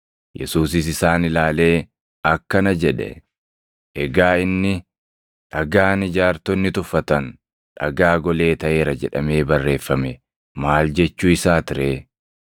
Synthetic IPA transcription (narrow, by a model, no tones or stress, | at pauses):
jʔɛ̰suːs̬ɪs̬ɪsaːnɪlaːle̞ː | ɐkːɐnɐd͡ʒɛᶑɛ̰ | ʔɛɡaːɪnːɪ | ᶑɐɡaːnɪd͡ʒaːɾt̪ɔnːɪt̪ʊfːɐt̪ɐn | ᶑɐ̰ɡaːɡɔle̞ːt̪ɐʔe̞ːɾɐd͡ʒɛ̰ᶑɐ̰meːbɐrːe̞ːfːɐmɛ | maːld͡ʒɛt͡ʃːuːɪsaːt̪ɪɾeː